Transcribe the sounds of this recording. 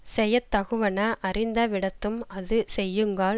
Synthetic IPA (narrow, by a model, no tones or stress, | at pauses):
sɛjɐt̪ːɐɣɯʋɐnɐʔɐrɪnd̪ɐʋɪɽɐt̪ːɯmɐðɯsɛjːɯŋɡaː